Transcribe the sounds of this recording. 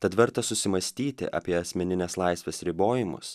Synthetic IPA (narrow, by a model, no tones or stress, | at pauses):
t̪ɐt̪ʋʲɛɾt̪ɐsʊsʲɪmɐsʲt̪ʲiːt̪ʲɪ̰ʔɑ̰ːpʲiɛɐsʲmʲɛnʲɪnʲeːslˠɐɪsʲʋʲesɾʲɪboːjɪmʊ̰s